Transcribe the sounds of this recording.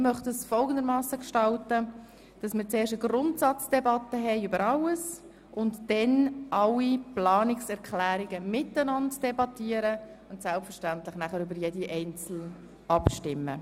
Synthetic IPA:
mœχtəsfɔlɡən̩d̪əɾmɑːsəkʃtɑltə | d̥ɑsmət͡seːrʃtəɡ̥rʊntsɑt͡sd̥ɛbɑtːəɦɛɪøbəɾɑləs | ʊntd̥ɛnʔɑliplɑːnɪksɛɾkʰlæːɾiɡəmɪtənɑntd̥ɛbɑtiəɾə | ʊntsɛlpfəɾʃtæntlɪχnæχəɾʏbəɾjediʔɛɪnt͡sl̩ | ɑpʃtɪmːə

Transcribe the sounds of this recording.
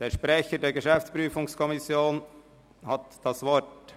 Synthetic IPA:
d̥eːʃpɾɛçədeːɾɡəʃɛft͡spɾyːfʊŋskʰɔmɪsjoːn | hɑtd̥ɑsvɔɹt

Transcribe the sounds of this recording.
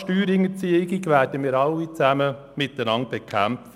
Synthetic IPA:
ʃtyːɾɪŋət͡siəɪɡiɡʋæːrdəmɪːɾɑlːit͡sæmə | mɪt̪ənɑnt̪̚b̥ekʰæmt

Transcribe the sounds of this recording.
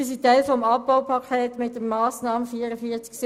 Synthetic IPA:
is̬itɛɪlfɔmɑpːaʊpʰɑkʰɛːtmɪtdəmɑːsnɑːməfiːəɾəfiːət͡sks

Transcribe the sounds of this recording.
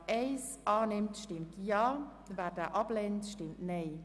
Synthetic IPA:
ʔeɪsʔɑːnɪmtʃtɪmtʰjɑː | vaːɾdɛʔɑpleːntʃtɪmtneː

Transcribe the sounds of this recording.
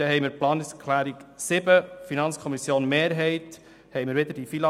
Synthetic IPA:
ɛɦɛɪmɪːɾplɑːnɪskʰlæːɾiksɪbəfinɑnt͡sskʰɔmisjoːnmeːɾɦɛɪt̪ | hɛɪjmɪɾʋɪd̪əɾd̥ifilɑ

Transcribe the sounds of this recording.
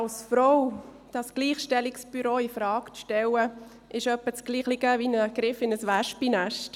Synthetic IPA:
ɑlsfɾɔw | d̥ɑsɡ̥liːχʃtɛliksb̥yɾoːifɾɑːkt͡sʃtɛwə | ʔɪʃœpːət͡sɡ̥liːχliɡəvinəɡ̥ɾɪfɪnəsʋæʃpinæʃt

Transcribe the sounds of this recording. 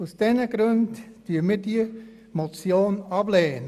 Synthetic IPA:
usd̥ɛnəɡɾɵntd̥yːəmid̥i | mot͡sjoːnɑb̥leːnə

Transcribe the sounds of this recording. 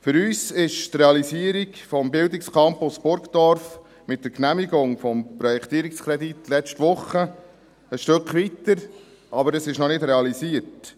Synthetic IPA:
fʏɾyːsɪʃt̪ɾɛɑlisiəɾikfɔmbɪldɪkskʰɑmpʊsb̥ʊɾkd̥̪ɔɾf | mɪt̚dəɾknæmiɡʊŋfɔmpɾɔjɛkt̪iːɾikskʰɾɛd̪itlɛt͡st͡ʃtʋʊχə | əʃtøkχʋitəɾ | ɑbəɾəsɪʃnɔnɪdɾɛɑlisiəɾt

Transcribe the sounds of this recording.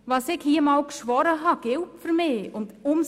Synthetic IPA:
vɑsɪɡ̥hiːəmɑlkʃʋɔɾəɦɑɡ̥ɪwpfəɾmeːʊndʊms

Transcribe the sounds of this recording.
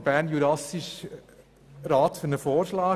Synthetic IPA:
b̥æɾnjuɾɑsiʃ | ɾɑːt̪fyɾnəfoːɾʃlɑː

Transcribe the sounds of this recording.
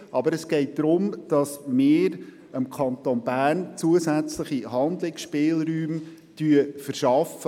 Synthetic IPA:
ʔɑbəɾəsɡ̥ɛɪt̚d̪̥ɾʊmd̥ɑsmɪːɾ | əmkʰɑnt̪onbæːrnt͡suəzæt͡sləχiɦɑnd̪lɪksʃpɪːlɾyːm | tyəfəɾʃɑfə

